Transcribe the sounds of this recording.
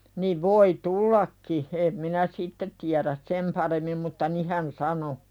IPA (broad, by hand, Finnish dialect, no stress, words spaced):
niʋ ʋoi tulːɑkːi em minæ sitːe tiæræs sem pɑremːim mutːɑ ni hæn sɑno